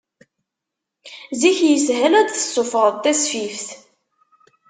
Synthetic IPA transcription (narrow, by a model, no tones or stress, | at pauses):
ziçjəsɦælæd̪θə̥sˤːʊfəʁˤðt̪ːæsfifθ